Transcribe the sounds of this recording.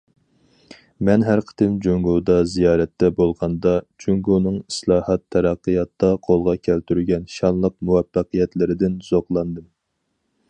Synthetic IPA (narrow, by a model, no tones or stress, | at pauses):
mɛnɦæɾqʰə̥t̪ɪnd͡ʒyŋɡud̪ɑzijɑːɾɛt̪ːɛbolˠʁɑnd̪ɑd͡ʒyŋɡunɨŋislˠɑːhɑt̪ʰːɛɾɑqːəjɑt̪ːɑqʰolˠʁɑkʲʰælt̪yɾɡʲɛnʃɑnlˠəq̚muwɛfːæqɨjɛt̪lɪɾɪd̪ɪnz̥oqlˠɑnd̪ɨm